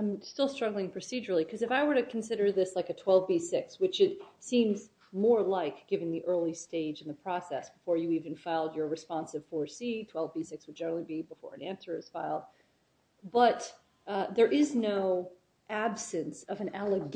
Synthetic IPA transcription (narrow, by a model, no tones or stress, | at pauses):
ɪ̃mstɪlˠstɹ̥ʌɡl̩ˠɪ̃ŋpʰɹ̥ɨsid͡ʒə˞l̩ˠikʰʌzɨfaɪwə˞ɾɨkʰn̩sɪɾə˞ðɪslaɪkɨtʰw̥ɛlˠvbisɪkswɨt͡ʃɨt̚sĩmz | mɔɹlaɪkɡ̥ɪvɨ̃ŋðiʔɜ˞lˠisteɪd͡ʒ̃n̩ðɨpʰɹ̥ɔsɛ̰sb̥əfɔɹjɨivɨ̃nfaɪlˠdjə˞ɹɨspɑ̃nsɨv̥fɔɹsitʰw̥ɛlˠvbisɪkswəd̚d͡ʒɛ̃nə˞l̩ˠibibəfɔ̰ɹɨ̃næ̃nsə˞ɨz̥faɪlˠd̚ | b̥ʌt̪̚ | ðə˞ʔɪznoʊ | ʔæbsɨ̃nsʌvɨ̃nælˠəɡ